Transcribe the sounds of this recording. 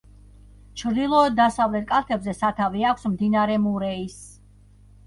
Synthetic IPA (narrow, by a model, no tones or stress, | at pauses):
t͡ʃʰɾd̪ilˠɔɔd̪̚d̪ːasavlɛt̪̚kʼaɾk̪ʰɛbzɛsat̪ʰaviakʷʰsmd̪inaɾɛmuɾɛis